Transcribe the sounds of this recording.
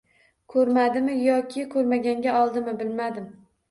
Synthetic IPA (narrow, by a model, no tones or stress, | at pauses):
kʰɵɾmad̪ɪmɪjɒkʲʰɪkʰɵɾmaɡʲaŋɡʲaɒlˠd̪ɪmɪbɪlmad̪ɪm